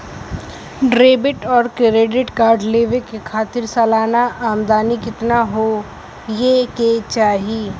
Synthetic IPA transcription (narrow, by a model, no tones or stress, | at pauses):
ɖɾeːbɪʈɔːɾkeɾeːɖɪʈkaːɾɖleːʋekekʰaːt̪ɪɾsɛːlaːnaʔaːmd̪aːnikɪt̪naɦo | jeket͡ʃaːɦi